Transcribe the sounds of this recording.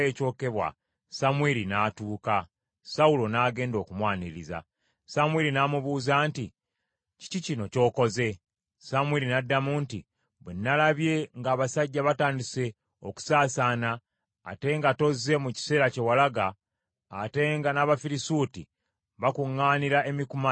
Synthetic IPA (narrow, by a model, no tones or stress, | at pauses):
eco̞ːke̞βwa̰ | samweɾinaːtuːka | saulo̞naːɡe̞ːndo̞ːkumwaːniɾiza̰ | samweɾinaːmuβuːzaːnti | ci̥cicino̞co̞ːko̞ze̞ | samweːɾinadːamuːnti | βwenːalaβje̞ŋɡaːβasaɟːaβataːndise̞ | o̞ku̥saːsaːna̰ː | te̞ŋɡato̞zːe̞muci̥se̞ːɾace̞walaɡaː | te̞ŋɡanaβafiɾisuːti | βakuŋːaːniɾae̞mikuma